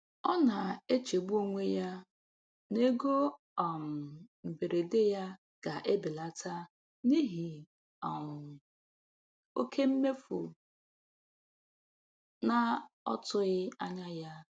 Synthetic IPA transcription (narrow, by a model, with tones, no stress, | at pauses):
ɔ˦na˨e˦t͡ʃe˨bu˦o˦ŋʷe˦ja˦ | ne˦ɡo˦ | ɔ˨m̩˨m̩˨be˨ɾe˨de˦ja˦ | ɡ̥a˨ʔe˦bɪ˨la˦tʰa˦ | ni˦ɦi˨ | m˨ | o̰˦kʰe˦m̩˦me˦fu˨ | na˦ɔ̰˦tʊ˦ɣɪ˦a˦ɲa˦ja˦